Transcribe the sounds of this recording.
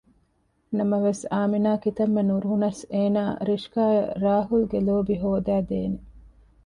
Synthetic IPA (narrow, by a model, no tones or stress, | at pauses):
nɐmɐʋesaːminaːkit̪ɐmːenuɾuɦunɐseːnaːɾiʃkaːeɾaːɦulɡeloːbiɦoːd̪æːd̪ḛːne